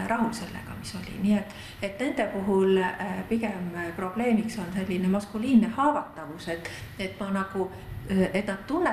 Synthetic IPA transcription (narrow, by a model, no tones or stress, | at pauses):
ɾʔɑɦuse̞lːḛɡ̥ɑ̰miso̞lʲḭniet̪ːˑ | e̞t̪ne̞nd̪̥e̞puɦulpikempro̞b̥le̞ːmikso̞nse̞lʲːinemɑskuliːnːehɑːvɑt̪ːˑɑvuse̞t̪ːˑe̞t̪ːmɑnɑɡ̥u | e̞t̪nɑd̪̥t̪unːe